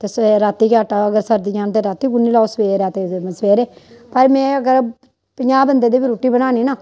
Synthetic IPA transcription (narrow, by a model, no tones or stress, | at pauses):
t̪eːsɾat̪ːiːkaːʈaəɡəɾsəɾd̪id͡ʒaːnt̪eːɾat̪ːiːɡʊnːiːlaːsʋeːɾaːt̪eːsʋeːɾeːpəɾmɛ̃ːəɡəɾ | pəɲaːbənd̪eːd̪eːbiːɾoːʈːiːbənaːniːnaː